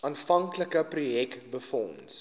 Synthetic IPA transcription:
ɑːnfɐŋkləkəprujɛkbəfɔns

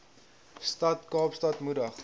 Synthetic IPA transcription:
stɐtkɑːpstɐtmudəχ

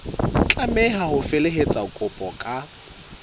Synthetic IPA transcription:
t͡ɬʼamɛɦahʊfeleɦet͡sʼakʼʊpʼɔkʼa

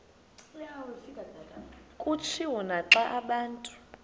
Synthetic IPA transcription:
awefikʼadʱadʱʼakʼut͡ʃʰiwɔnaǁaʔaɓaːntʼu̥

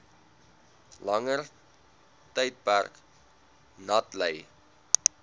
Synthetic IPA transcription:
lɐŋər | təjt̚pærk | nɐtləj

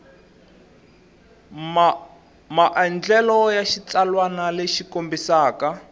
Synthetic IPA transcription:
maʔand͡ɮɛlɔjaʃit͡salwanaleʃikombisaːka

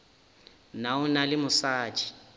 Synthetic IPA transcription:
naʊnalɪmʊsaːt͡ʃʰʼi̥

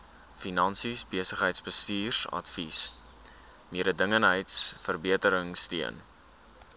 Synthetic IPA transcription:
finɐnsisbiəsəχɦəjtsbəstiːrsɐ̰tfis | miəɾədəŋənɦəjtsfərbiətəɾəŋstiən

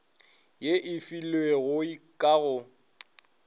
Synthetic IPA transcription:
jeʔɪfilweɣʊikʼaɣʊ

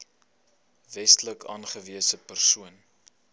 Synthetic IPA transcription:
vɛstləkɑ̰ːnχəviəsəpərsuən

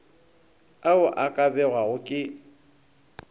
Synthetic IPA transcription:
aʊʔakʼabɛɣwaɣʊkʼɪ

